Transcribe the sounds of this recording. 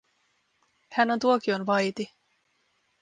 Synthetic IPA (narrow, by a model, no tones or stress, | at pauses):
hænont̪uokionʋɑjt̪i